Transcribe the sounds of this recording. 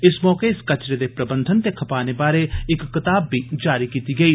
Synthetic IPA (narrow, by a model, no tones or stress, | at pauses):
ɪsmɔːkeɪskɐt͡ʃɾed̪epɾɐbə̃nd̪ʱənt̪ekʰɐpaːnebaːɾeɪkːɪt̪aːbːid͡ʒaːɾikiːt̪iɡɐiː